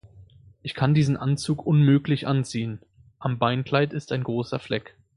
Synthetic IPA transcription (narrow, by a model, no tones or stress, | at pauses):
ʔɪçkʰandiːzn̩ʔant͡suːkʔʊnmøːklɪçʔant͡siːən | ʔambaɪnkl̥aɪtɪstaɪnɡʁoːsɐflɛk